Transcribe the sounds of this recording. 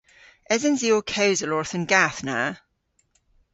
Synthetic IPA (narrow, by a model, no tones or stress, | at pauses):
ʔɛzə̃nziɔkʰəʊzəlɔɹθə̃nɡaθna̰